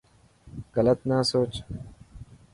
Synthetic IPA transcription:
ɣələt̪naːsoːt͡ʃ

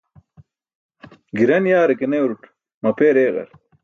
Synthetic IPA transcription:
ɡiɾɐnjaːɾɐkenewɾuʈ | mɐpeːɾeːɣɐ̰ɾ

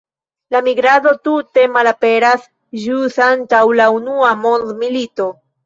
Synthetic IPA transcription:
lamiɡɾado̞tute̞malape̞ɾas | d͡ʒusantawlaunuamo̞ndmilito̞

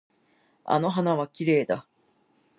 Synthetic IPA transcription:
a̰no̞ɦanaβakʲiɾe̞ːd̪a

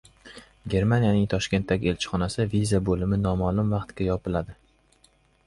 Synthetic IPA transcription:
ɡʲe̞ɾmanijanɪŋt̪ʰɒʃkʲe̞nt̪ːaɡʲɪe̞lt͡ʃʰɪ̥χɒnasɪvizabolɪmɪnɒmalˠʊmvɑqt̪kʲajɒpʰɪlad̪ɪ

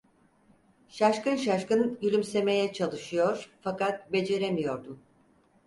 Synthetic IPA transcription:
ʃaʃkanʃ̬aʃkɯnylʲymse̞me̞jɛt͡ʃʰalˠɯʃɯjo̞ɾ̥fakat̪̚be̞d͡ʒe̞ɾemijo̞ɾd̪um

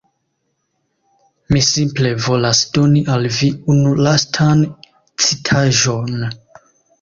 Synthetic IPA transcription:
misimple̞vo̞lasdo̞niʔalviunulastʰan | t͡sitʰaʒo̞n

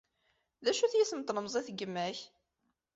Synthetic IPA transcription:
ðæʃuθjiθəmt̪ːləmzˤiθɡːəmːæç

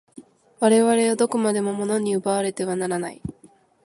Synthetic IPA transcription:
βaɾe̞βaɾe̞od̪o̞kɯ̟mad̪e̞mo̞mo̞no̞ɲ̟iɯ̟baβaɾe̞t̪e̞β̞anaɾanai

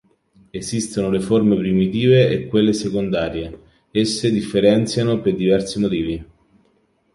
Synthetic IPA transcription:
ezist̪onoleformepɾimit̪iːveekːwelːesekond̪aːɾje | esːed̪ifːeɾɛnt̪sjanoperd̪ivɛrsimot̪iːvi

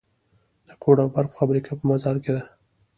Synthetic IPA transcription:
d̪̥əkoɽabaɾpə̥fabɾikʰapəmazɑɾked̪a

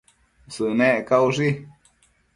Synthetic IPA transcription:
sɨnẽʔkauʐi

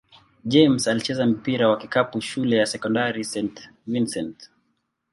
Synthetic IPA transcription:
d͡ʒɛmsalit͡ʃɛzam̩piɾawakikapuʃulɛjasɛkɔndaɾisɛnt | winsɛnt

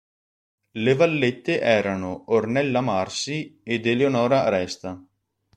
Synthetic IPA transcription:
levalːet̪ːeʔɛːɾanoornɛlːamarsied̪eleonɔːɾaɾɛst̪a

